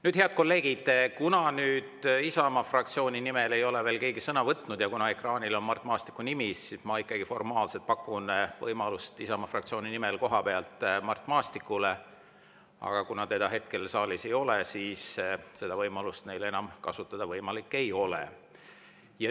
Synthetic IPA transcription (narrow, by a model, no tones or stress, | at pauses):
nyːd̪̥he̞ɑd̪̥̚ko̞lːe̞ːɡ̥id̪̥kunɑnyːd̪̥isɑmɑfrɑk̚t̪sio̞ːnʲinimele̞jo̞le̞ve̞ːlke̞ːɡisɤnɑvɤt̪ˑːnud̪jɑkunɑe̞krɑːnilo̞nmɑrt̪ˑmɑːst̪i̥kːˑunimisːismɑikˑːɑɡ̥ifo̞rmɑːlset̪̚pɑkːunvɤjmɑlust̪isɑmɑfrɑk̚t̪sioːninimelko̞ɦɑpe̞ɑlt̪ˑmɑrt̪ˑmɑːst̪ikːˑule̞ | ɑ̰ɡ̥ɑkunɑt̪e̞d̪̥ɑɦe̞t̪̚ke̞lsɑːlise̞jo̞lesiːsse̞d̪ɑvɤjmɑlust̪ne̞jle̞nɑmkɑsut̪ːˑɑd̪̥ɑvɤjmɑlikːe̞jo̞lḛ | jɑ